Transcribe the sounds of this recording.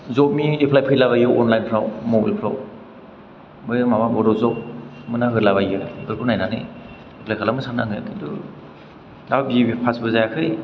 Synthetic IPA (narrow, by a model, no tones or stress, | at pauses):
zɔp̚miepʰlajpʰɯjlaβajɯwɔnlajnpʰɾawmobalpʰɾaw | mɯjmababɔɾɔzɔk̚ | mɯnaɦɯɾlaβajɯnɯɡɯɾkʰunajnanɯ̰ | epʰlajkʰalamɯsanaŋɯjkʰidɔ | dababiebipʰasbɯzajakʰɯj